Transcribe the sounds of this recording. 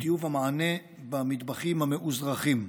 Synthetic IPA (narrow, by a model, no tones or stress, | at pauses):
t̪ijuvhamaʕane | bamid̪baχimhameʔuzʁaχim